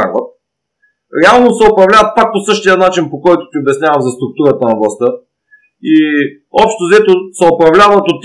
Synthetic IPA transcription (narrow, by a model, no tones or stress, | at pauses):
aɡvɐt̪̚ | ɾɛalˠnosɛopɾɐvlʲavɐt̪̚pak̚posɤʃt̪ijənat͡ʃinpokɔjt̪ʊ̥t̪iobɛsnʲavɐmzɐst̪ɾʊk̚t̪uɾət̪ənɐblˠst̪ə | i | ɔpʃt̪ozɛt̪osɛopɾɐvlʲavɐt̪ot̪ː